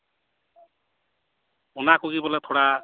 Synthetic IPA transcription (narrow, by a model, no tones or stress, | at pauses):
unakuɡibɔlɛt̪ʰoɽa